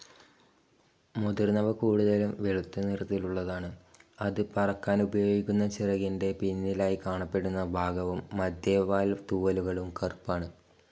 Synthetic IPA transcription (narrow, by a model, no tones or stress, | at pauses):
mud̪irnɐʋɐkuːɽuðɐlumʋeɭut̪ːunirɐt̪ːiluɭːɐðaːɳɨɐðɨpɐrɐkːaːnubɐjo̞ːɡikʲːunːɐt͡ɕirɐɣinde̞pinːilaːjikaːɳɐpːe̞ɽunːɐbʱaːɡɐʋɐmːɐd̪jeːʋaːlt̪uːʋɐluɣɐɭumkɐrpːaːɳɨ